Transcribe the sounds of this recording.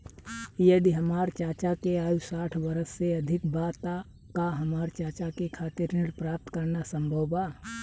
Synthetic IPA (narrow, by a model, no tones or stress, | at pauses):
jəd̪iɦəmaːɾt͡ʃaːt͡ʃakeaːjusaːʈʰbəɾəsːeɐd̪ʱɪk̚baːt̪a | kaɦəmaːɾt͡ʃaːt͡ʃakekʰaːt̪ɪɾnɪɽpɾaːp̚t̪kəɾnasə̃mbʱəwbaː